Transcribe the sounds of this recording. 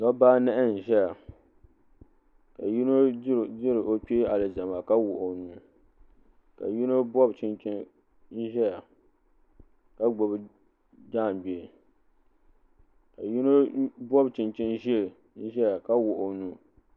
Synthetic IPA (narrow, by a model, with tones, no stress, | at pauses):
nɔ˦baː˦nɛ˦ʔɪ˦n̩˨ʒɛ˦ja˨ | ka˨ji˦no˦˨dɪ˦ɾɨ˨ʔo˦pi˦a˨lɨ˨za˨ma˨ka˦wʊ˨ʔo˨nu˨ | ka̰˨ji˦no˦bɔ˦bt͡ʃɪ˦nt͡ʃɪ˦n | n̩˦ʒɛ˦ja˨ | ka˦ɡ͡bɔ˨bɨ˦ | d͡ʒaː˦˨nbɛ˨ | ka˨ji˦no˦bɔ˦bt͡ʃɪ˨nt͡ʃɪ˦n˦ʒi˦e˨ | n̩˦ʒɛ˦ja˨ka˦wʊ˨ʔo˨nu˨˦˨